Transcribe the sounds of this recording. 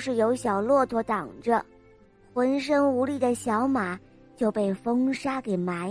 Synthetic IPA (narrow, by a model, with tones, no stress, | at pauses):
ʂɻ̩˥˩jo˧˥ʊɕjɑ˨˩ʊlwɔ˥˩t̪ʰwɔ˧˥t̪ɑ˨˩ŋʈ͡ʂə˦ | xwə˧˥nʂ̬ə˥ŋu˧˥li˥˩d̪ə˩ɕjɑ˧˥ʊma˨˩˦ | t͡ɕjo˥˧ʊpe˥˩ɪfɤ˥ŋʂa˥ke˨˩ɪma˧˥ɪ